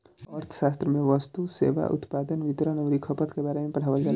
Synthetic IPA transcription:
əɾt̪ʰə̥ʃaːst̪ɾəmẽʋəst̪usḛːʋa̰ʔʊ̰t̪paːd̪ənʋit̪ɾənəʊɾikʰəpət̪kebaːɾemẽpɐɽ̤aːʋəlɡɛl

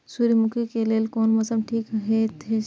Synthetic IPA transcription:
suɾimʊkʰikelelkoːnmɐsəmʈʰiːkɦet̪ʰe

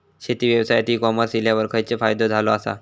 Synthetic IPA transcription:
ɕet̪iːʋjəʋsajat̪iːkɔməɾsiljaʋəɾkʰajt͡sefajd̪od͡zʱaloasa̰

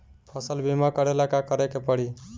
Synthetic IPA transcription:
pʰʌsəlbʱimakʌɾelakakʌɾekepʌɽ̤i

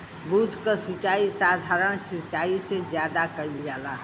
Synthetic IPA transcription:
bud̪ʱkəsit͡ʃaisad̪ʱaɾəɽ̃sit͡ʃaːised͡ʒjad̪akəid͡ʒala

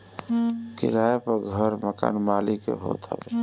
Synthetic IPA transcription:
kɪ̰ɾaːjepəɾɡʱəɾməka̰ːnmaːlikḛɦo̰ːt̪ɦə̰

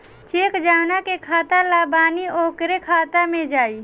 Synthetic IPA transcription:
t͡ʃeːkd͡ʒaːnakekʰaːt̪alaːbaːnioːkɾekʰaːt̪amẽd͡ʒaːiː

